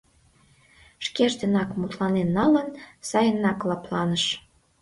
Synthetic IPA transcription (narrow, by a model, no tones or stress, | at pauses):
ʃkeʒd̪ənɑkmut̪lɑnenːɑlənsɑjənɑklɑplɑnəʃ